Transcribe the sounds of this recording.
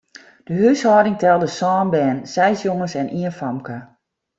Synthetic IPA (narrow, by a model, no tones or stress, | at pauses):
d̥əɦyshɔːdɪŋtɛlˠdəsɔːnbɛːnsɛjsjoŋəsɛnʔiənfamkə